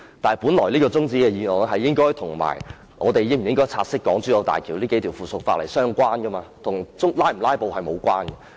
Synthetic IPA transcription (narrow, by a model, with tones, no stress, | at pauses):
t̪aː˨n˨pu˨˥nlɔː˨˩jliː˥kɔː˧t͡sʊ˥ŋt͡siː˥kɛ˧jiː˧lɔː˨jɦɐ˨jːɪ˥ŋkɔː˥jt̪ʰʊ˨˩ŋma̰ː˨˩j | ŋɔː˨˧t̪e˨jɪ˥ŋm̩˨˩jɪ˥ŋkɔː˥jt͡sʰaː˧t̚sɪ˥kːɔː˨˥ŋt͡syː˨˥jɐ˨˧wt̪a̰ː˨jkʰiː˨˩wliː˥ke˨˦jt̪ʰi˨˩wfuː˨˩sʊ˨k̚faː˧t̚lḛ˨˩jsœː˥ŋkʷaː˥nkɐ˥maː˧t̪ʰʊ˨˩ŋt͡sʊ˥ŋlaː˥jm̩˨˩laː˥jpo˨˧whɐ˨jmo˨˧wkʷwaː˥nkɐ˧